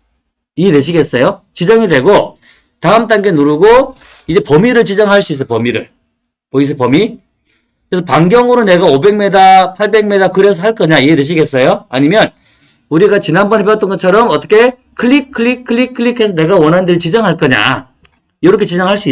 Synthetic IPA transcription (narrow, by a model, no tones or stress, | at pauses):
iete̞ɕʰiɡe̞s͈ʌjot͡ɕid͡ʑʌŋidwe̞ɡo | taɯmt̬͈aŋɡenuɾuɡo | id͡ʑe̞pʌmiɾɯɭt͡ɕid͡ʑʌŋɦaɭs͈uis͈ʌpʌmiɾɯ̰ɭ | ʌis̬ʰʌpʌmi | kɯɾesʰʌpaŋɡjʌŋɯɾone̞ɡaobe̞ŋme̞dapʰaɭbe̞ŋmedakɯɾe̞sʰʌɦaɭk͈ʌɲaieteɕ̬ʰiɡe̞s͈ʌjoaɲimjʌn | uɾiɡat͡ɕinanbʌnɦepʌt͈ʌnɡʌt͡ɕʰʌɾʌmʌt͈ʌkʰe̞ | kʰɯɭːikʰɯɭikʰɯɭikʰɯɭikʰe̞s̬ʰʌne̞ɡawʌnɦandeɾit͡ɕid͡ʑʌŋɦaɭk͈ʌɲa̰ | jʌɾʌkʰet͡ɕid͡ʑʌŋɦaɭs͈ui